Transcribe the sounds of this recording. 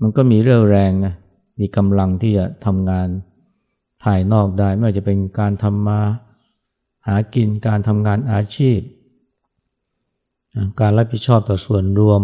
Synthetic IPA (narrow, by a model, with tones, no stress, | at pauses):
ma˧nkɔː˥˩miː˧ɾɯ˥˩əŋɾɛː˧ŋna˦˥˩ | miː˧ka˧mla˧ŋt̪ʰiː˥˩t͡ɕa˨˩t̪ʰa˧mŋaː˧n | pʰaː˧jnɔː˥˩k̚daː˥˩jma˥˩t͡ɕa˨˩pe˧nkaː˧nt̪ʰa˧mːaː˧ | haː˩˦ki˧nkaː˧nt̪ʰa˧mŋaː˧nʔaː˧t͡ɕʰiː˥˩p̚ | a˧˩kaː˧nɾa˦˥p̚ʰi˨˩t̪̚t͡ɕʰɔː˥˩p̚t̪ɔː˨˩su˨˩ənɾu˧əm